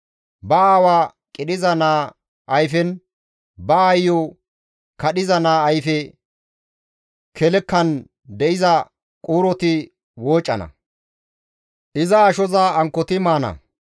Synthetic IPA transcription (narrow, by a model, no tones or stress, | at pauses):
bɐaːwaː | kʼɪɗɪzɐnaː | ʔɐjfɛn | bɐːjːo | kɐɗɪzɐnaːjfɛ | kʰɛlɛkːɐn | d̪ɛʔɪzɐ | kʼuːɾɔt̪ɪ | woːt͡ʃʼːɐnɐ̰ | ʔɪzɐːʃɔzaɐŋkːɔt̪ɪmaːnɐ̰